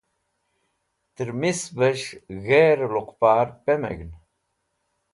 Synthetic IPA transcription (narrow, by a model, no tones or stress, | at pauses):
t̪ɨɾmisbəʃɣeːɾluqpaːɾpemḛɡn